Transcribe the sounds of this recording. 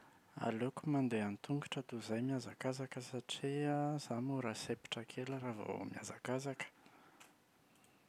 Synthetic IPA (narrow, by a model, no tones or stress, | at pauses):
a̰lukumand̪eanit̪uŋɡaʈ͡ʂət̪uzajmiazakazakəsaʈ͡ʂiaz̥amuɾasepi̥ʈ͡ʂəkʰelaɾavo̰mja̰zakazakə̥